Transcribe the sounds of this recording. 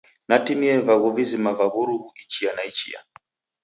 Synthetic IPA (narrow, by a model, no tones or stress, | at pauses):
natimiɛvaɣɔvizimavaβuɾuɦuit͡ʃianait͡ʃḭja̰